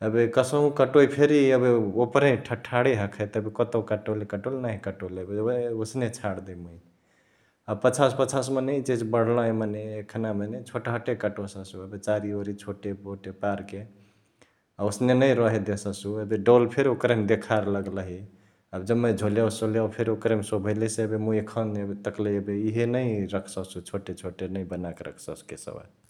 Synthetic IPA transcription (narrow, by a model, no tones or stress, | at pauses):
əbikəsəɦũkəʈoipʰeɾiəbeopɾẽʈʰəʈʰaɽeɦəkʰɛt̪əbikət̪okəʈolekəʈolnaɦĩkəʈoləbeeosnet͡ʃʰaɽd̪əmui | əbpət͡ʃʰaspət͡ʃʰasmeneit͡ʃed͡ʒbəɽ̤lə̃ɦĩməneːkʰnamenet͡ʃʰoʈɦəʈekəʈosəsuəbet͡ʃaɾioɾit͡ʃʰoʈeboʈepaɾke | ausnenəjɾɔɦed̪esəsuebeɖolpʰeɾokɾəmd̪ekʰaɾləɡləɦi | əbd͡ʒəmːed͡ʒʱoljawsoljawpʰeɾokɾemsobʱəlesebemuekʰənet̪əkleebeiɦenəiɾəkʰsəsut͡ʃʰoʈet͡ʃʰoʈenəibənakeɾʔə̰kʰsə̰skḛsə̰ba̰